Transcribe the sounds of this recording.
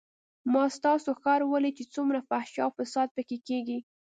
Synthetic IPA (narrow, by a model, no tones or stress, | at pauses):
mɑst̪ɑsoxɑɾwəlit͡ʃet͡sumɾafahʃɑ̰fasɑd̪̚pəkekeɡi